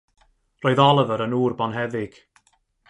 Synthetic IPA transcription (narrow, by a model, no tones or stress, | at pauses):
roːɨðɔlˠəvəɾənuːrbɔnɦɛðɪɡ̥